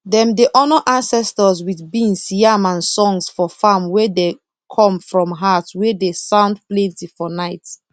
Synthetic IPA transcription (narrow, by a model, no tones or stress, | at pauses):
dɛ̃mdeʔɔnɔʔãnsɛstəzwiθbĩnsjamãnsɔ̃ŋsfɔfamwɛde | kʰɔ̃mfɹɔ̃mɦatwɛdesãʊ̃ndplɛ̃ntifɔnaɪt